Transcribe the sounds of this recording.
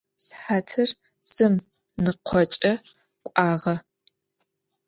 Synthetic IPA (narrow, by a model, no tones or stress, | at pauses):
sħaːtʰɨr | sɨm | nɨqʷʰɔt͡ʃʼɐ | kʷʼaːʁɐ